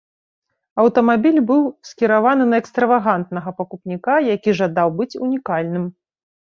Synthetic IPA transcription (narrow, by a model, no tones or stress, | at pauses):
ɐwt̪ɐmabʲilʲbɨwskʲiɾavanɨnɐɛkst̪ɾɐvaɣant̪nɐɣɐpɐkupnʲikajakʲiʐad̪awbɨt͡sʲṵnʲikalʲnɨm